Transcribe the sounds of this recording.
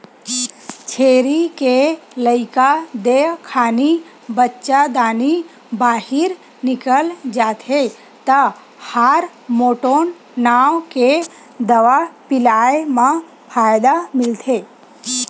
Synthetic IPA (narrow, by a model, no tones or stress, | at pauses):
t͡ʃʰeɾikeləɪkad̪ekʰaːni | bətːt͡ʃad̪aːni | baːhiɾ | nɪkəld͡ʒat̪ʰe | t̪ə | haɾ | moːʈonː | aʋke | d̪əʋapɪlajemã | pʰajd̪amɪlt̪ʰe